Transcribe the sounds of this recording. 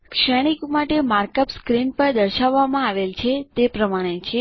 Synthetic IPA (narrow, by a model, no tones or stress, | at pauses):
kʃəɽ̃ikmaʈemaɾkəpskɾinpəɾd̪əɾʃaʋːamãaʋelt͡ʃʰet̪epɾəmaɽ̃et͡ʃʰe